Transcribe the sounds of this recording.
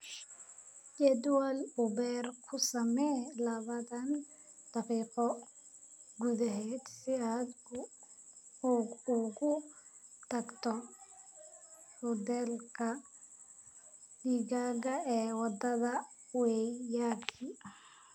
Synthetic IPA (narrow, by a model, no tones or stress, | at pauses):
d͡ʒɛd̪walʊbɛrkʰʊsɐmɛlɐβɐðɐn | d̪̥ɐfiːqɔ | ɡud̪ɐɦɛːd̪sɪaːd̪ | ɣʊ | t̪ʰɐɡt̪ʰɔ | hɔd̪ɛlkʰɐ | niɡaːɣɐɛːwɑd̪ɐðɐ | wɛjaːkʰi